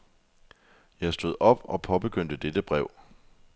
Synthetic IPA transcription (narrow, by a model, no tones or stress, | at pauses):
jɑ̈ɪsd̥o̝ð̞̰ˠɒ̽b̥ɒ̽pʰɒ̽b̥e̝ɡ̥øn̰d̥əd̥ed̥əb̥ʁɛʊ̰